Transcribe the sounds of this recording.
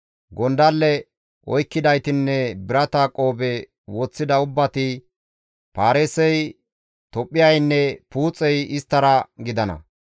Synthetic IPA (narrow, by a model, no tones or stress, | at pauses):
ɡɔnd̪ɐlːɛ | ʔɔjkːɪd̪ɐjt̪ɪnːɛbɪɾɐt̪akʼo̞ːbɛ | woːt͡sːɪd̪ɐʊbːɐt̪ɪ | paːɾeːsɛj | t̪ɔpʼːɪjɐjnːɛpuːt͡sʼːɛjɪst̪ːɐɾɐɡɪd̪ɐnɐ̰